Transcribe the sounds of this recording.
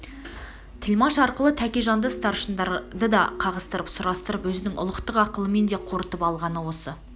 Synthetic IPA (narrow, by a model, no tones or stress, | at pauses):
t̪ʰɪlmɑʃɑɾqəlˠət̪ʰækʲeʒɑnd̪əst̪ɑɾʃənd̪ɑd̪əd̪ɑqʰɑʁəst̪əɾəpsʊɾɑst̪əɾəpwɵzɪnɪŋʔʊ̰lˠəqt̪əqɑqəlˠəme̞nd̪e̞qʰo̞ɾət̪əpɑlˠʁɑnəwo̞sə